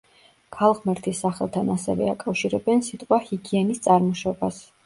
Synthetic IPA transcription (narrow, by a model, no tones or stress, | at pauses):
kʰalˠʁmɛɾt̪ʰisːaχɛlˠt̪ʰanasɛvɛ̰akʼafʃiɾɛbɛnsit̪ʼqʼwahiɡiɛnist̪sʼaɾmɔʃɔbas